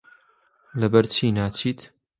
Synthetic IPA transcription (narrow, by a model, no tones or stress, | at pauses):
lɐbɐɾt͡ʃʰiːnaːt͡ʃʰiːt̪